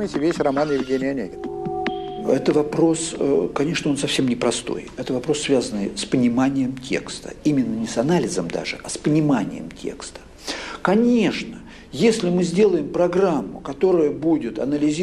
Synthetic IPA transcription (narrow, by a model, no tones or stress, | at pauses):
tʲɪvʲesʲrɐmanjɪvʲɡʲenʲɪjɐnʲeɡʲɪn | ɛt̪əvɐpɾo̞skɐnʲe̞ʂnəo̞nsɐfsʲe̞mnʲɪpɾɐst̪o̞̰jɛt̪əvɐpɾo̞sːvʲazənːɨjspənʲɪmanʲɪjəmtʲʰe̞̰kst̪ə̰imʲɪnːənʲɪsɐnalʲɪzəmd̪a̰ʐɨ̰ʔɐspənʲɪmanʲɪ̰jɪ̰mtʲʰḛkst̪ə̥ | kɐnʲe̞ʂnə | jesʲlʲɪmɨzʲdʲe̞lˠəjɪmpɾɐɡramːʊ̰kɐt̪o̞ɾəjəbudʲɪt̪ɐ̰nəlʲɪzʲ